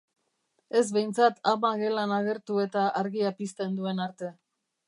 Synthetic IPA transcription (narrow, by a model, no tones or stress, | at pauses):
e̞zβejnt͡sat̪amaɣe̞lanaɣ̞e̞ɾt̪ue̞t̪aʔaɾɣiapist̪e̞nd̪ue̞naɾt̪e̞